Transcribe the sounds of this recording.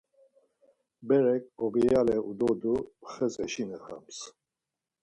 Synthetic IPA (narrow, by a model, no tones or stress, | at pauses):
bɛɾɛkʼɔbijalɛud̪ɔd̪uχɛt͡sʼɛʃinɛχa̰ms